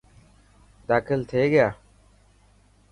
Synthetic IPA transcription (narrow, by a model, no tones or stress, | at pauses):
d̪aːkʰɪlt̪ʰeːɡjaː